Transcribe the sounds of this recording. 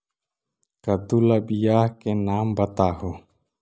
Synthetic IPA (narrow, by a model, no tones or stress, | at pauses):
kɐt̪ulɐbijaːhkenaːmbɐt̪aːɦo